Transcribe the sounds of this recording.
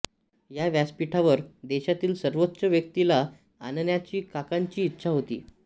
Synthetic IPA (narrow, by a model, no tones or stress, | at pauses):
jaʋjaspiʈʰaʋəɾd̪eɕat̪iːlsəɾʋot̪ːɕəʋjək̚t̪ila | annjat͡ɕiːkakaɲt͡ɕiːt̪ːɕʰaɦot̪ḭː